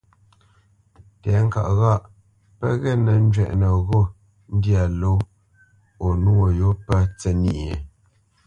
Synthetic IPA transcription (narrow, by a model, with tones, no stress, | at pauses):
tɛ˨˦ŋ̩˦ka̰˨ʔɣa˦˨ʔ | pə̰˦ɣɛ˦˨nə˨n˦d͡ʒɥɛ̰˦˨ʔnə˨ɣɔ˦˨ | n̩˦dja˨lo˦ | o˨nu˦o˨jo˨˦pə˦t͡sɛ˦ni˦ʔe˨